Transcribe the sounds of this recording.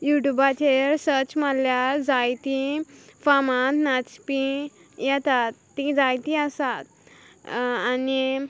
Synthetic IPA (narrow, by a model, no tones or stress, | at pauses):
juʈjubat͡ɕeɾsəɾt͡ɕmaljaɾd͡zajt̪ifamat̪nat͡spĩ | jɛt̪at̪ːĩd͡zajt̪ĩəsat̪ | ani